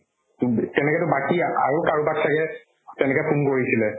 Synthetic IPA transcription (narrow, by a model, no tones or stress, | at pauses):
ttɛnɛkɛtʊbakiaa̰ɹukaɹubatsakɛ | tɛnɛkɛpʰumkoɹisilɛ